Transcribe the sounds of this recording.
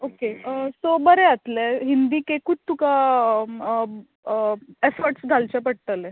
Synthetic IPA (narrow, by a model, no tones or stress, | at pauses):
okeəsobəɾɛat̪lɛɦind̪iːkekud̪̚t̪uka | efəɾʈsɡʱalt͡ɕapəɽ̚t̪əlɛ